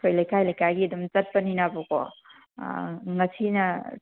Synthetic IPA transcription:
kʰojlajkajlajkaɡidumt͡ʃɐt̚pɐninabɔkɔ̰ | ŋɐsinɐ

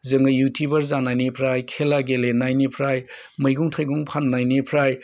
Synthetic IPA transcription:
zɐŋɡɯjutʰubɐɾzanajnipʰɾajkʰelaɡelenajnipʰɾaj | mɐjɡuŋtʰajɡuŋpʰanːajnipʰɾaj

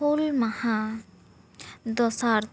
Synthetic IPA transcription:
olmɐhã | d̪ɔsaːɾ

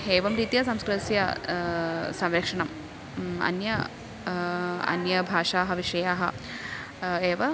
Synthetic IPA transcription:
eːʋɐmɾiːt̪ijɐsɐmskɾɐsjɐ | sɐmɾɐkʂɐɳɐm | ɐ̰njɐ | ɐ̰njɐbʱaːʂaːɦɐʋiʂɐjaːɦɐ | eːʋɐ

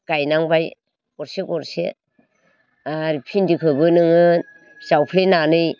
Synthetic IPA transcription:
ɡ̥ajnaŋbaj | kɔɾsekɔɾsḛ | aɾpʰindikʰɯbɯnɯŋɯ | sawpʰlenanɯj

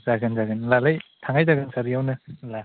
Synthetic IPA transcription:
z̥aɡɯnzaɡɯnlalajtʰaŋajdaɡɯnsʰaɾijawnɯla

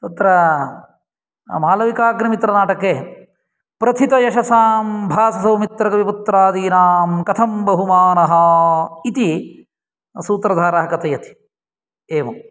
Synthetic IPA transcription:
t̪ut̪ɾɐ | maːlɐʋikaːɡnɐmit̪ɾɐnaːʈɐkeː | pɾɐt̪ʰit̪ɐjɐʃɐsaːmbʱaːsɐsɐwmit̪ɾɐkɐʋiput̪ɾaːd̪iːnaːmkɐt̪ʰɐmbɐɦumaːnɐɦɐit̪i | suːt̪ɾɐd̪ʱaːɾaːɦɐkɐt̪ɐjɐt̪i̥ | eːʋɐ

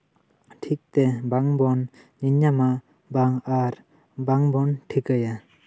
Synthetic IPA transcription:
ʈʰik̚t̪ɛbaŋbɔn | ɲiɲɲama | baŋaɾ | baŋbɔnʈʰikɯja

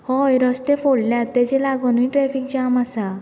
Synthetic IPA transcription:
hɔjɾəst̪efoɽljat̪ːɛd͡ʑelaɡɔnuiʈɾɛfik̚d͡ʑamasa

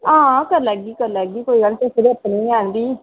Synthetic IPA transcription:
ãːkəɾləɡiːkəɾləɡiːkoːiːɡəlt̪esəɾeəpniːaːnd̪iː

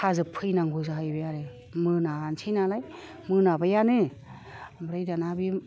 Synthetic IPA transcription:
kʰazɯpʰɯjnaŋɡuzaɦajbajaɾɯ | mɯnansʰijnalaj | mɯnabajanɯ | bɾajdanabi

